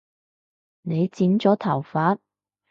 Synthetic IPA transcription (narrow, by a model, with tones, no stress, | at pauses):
ne˨˧jt͡siː˨˥nt͡sɔː˨˥t̪ʰɐ˨˩wfaː˨˥t̚